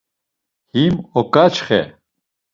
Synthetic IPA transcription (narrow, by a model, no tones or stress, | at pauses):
himɔkʼat͡ʃχɛ̰